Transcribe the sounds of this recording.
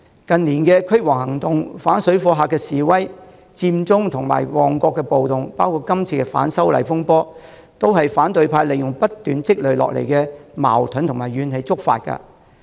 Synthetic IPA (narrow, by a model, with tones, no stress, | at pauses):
kɐ˨nliː˨˩nkɛː˧kʰɵ˥ɥwɔː˨˩ŋhɐ˨˩ŋt̪ʊ˨ŋfaː˨˥nsɵ˨˥ɥfɔː˧ɦaː˨kːɛː˧siː˨˩wɐ˥j | t͡siː˧mt͡sʊ˥ŋt̪ʰʊ˨˩ŋma̰ː˨˩jwɔː˨ŋkɔː˧kːɛ˧po˨wt̪ʊ˨ŋpaː˥wkʰuː˧t̚kɐ˥mt͡sʰiː˧kɛ˧fa̰ː˨˥nsɐ˥wlɐ̰˨˩jfʊ˥ŋpɔː˥ | t̪o˥whɐ˨jfaː˨˥nt̪ɵ˨˧ɥpʰaː˧jle˨jʊ˨ŋpɐ˥t̚t̪ːyː˨nt͡sɪ˥k̚lɵ˨˧ɥlɔ̰ː˨k̚lḛ˨˩jkɛː˧ma̰ː˨˩wt̪ʰɵ˨˥nt̪ʊ˨˩ŋmaː˨˩jɥyː˨˧nhe˨˧jt͡sʊ˥k̚fa̰ː˧t̚kɐ̰˧